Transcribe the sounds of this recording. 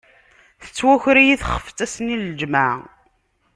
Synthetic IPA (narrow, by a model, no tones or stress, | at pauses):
θət͡sːwæçɾijiθχə̥ft̪æsənild͡ʒma